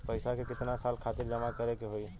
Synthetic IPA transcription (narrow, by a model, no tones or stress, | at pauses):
pəjsakekɪt̪nasalkʰat̪iɾd͡ʒəmakəɾekeɦoj